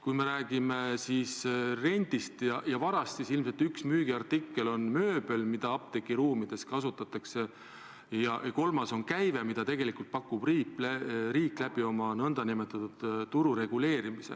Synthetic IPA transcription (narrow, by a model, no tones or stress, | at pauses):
kujme̞ɾæːɡ̥ime̞sisre̞nʲd̪̥ist̪jɑjɑvɑɾɑst̪sisilmse̞lt̪yksmyːɡ̥iɑrt̪ikːe̞lo̞nmø̞ːbe̞lmid̪̥ɑɑp̚t̪e̞kːiɾuːmid̪̥e̞skɑsut̪ːˑɑt̪ːˑɑkse̞ | jɑʔko̞lmɑso̞nkæjve̞mid̪̥ɑt̪e̞ɡ̥e̞likult̪̚pɑkːˑub̥riːpːlriːklæb̥io̞mɑnɤnd̪̥ɑnime̞t̪ːˑɑt̪ːud̪̥t̪ːuɾuɾe̞ɡ̥ule̞ːɾimisḛ